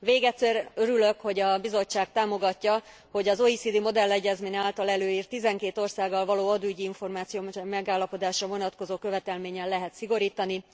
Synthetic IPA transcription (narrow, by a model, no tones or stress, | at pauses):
veːɡɛt̪sɛrøɾylø̞kho̞ɟɒbizo̞t͡ʃːaːɡ̚t̪aːmo̞ɡɒcːɒ | ho̞ɟɒzo̞isid̪imo̞d̪ɛlːɛɟːɛzmeːɲaːlt̪ɒlɛløːjiːrt̪ːizɛŋkeːt̪o̞rsaːɡːɒlvɒloːɒd̪uyɟiiɱfo̞rmaːt̪sijoːmɛɡaːlːɒpo̞d̪aːʃrɒvo̞nɒt̪kozoːkø̞vɛt̪ɛlmeːɲɛlːɛɦɛt̪siɡo̞ɾiːt̪ɒni